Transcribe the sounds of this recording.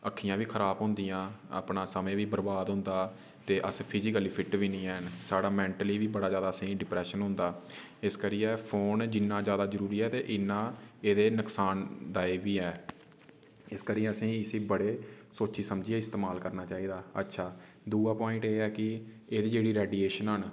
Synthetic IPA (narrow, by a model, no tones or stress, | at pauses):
əkʰːijãːʋiːkʰəɾaːbɦʊ̃nd̪ijãːa̰ːpnãːsəmẽːʋiːbəɾbaːd̪ɦʊ̃ːnd̪aː | t̪eːʔəspʰɪzɪkəliːpʰɪʈʋiːnĩːɛːnsaːɽaːmɛ̃ːɳʈəliːʋiːbəɽaːzjaːd̪aːəsĩːɖɪpɾɛːʃənɦʊ̃nd̪aː | ɪskəɾiːɛːpʰoːnd͡ʒɪnːãːzjaːd̪aːzəɾuːɾiːɛːt̪eːʔɪnːãːeːd̪eːnəksaːnd̪aːeːbiːɛː | ɪskəɾiːəsĩːɪsĩːbəɽeː | soːt͡ʃiːsəmd͡ʒieːɪst̪eːmaːlkəɾnaːt͡ʃaːiːd̪aːə̰tːʃʰaː | d̪uːaːpɔːɪ̃ɳʈeːɛːkɪ | eːd̪iːd͡ʒeːɽiːɾɛːɖieːʃənɦən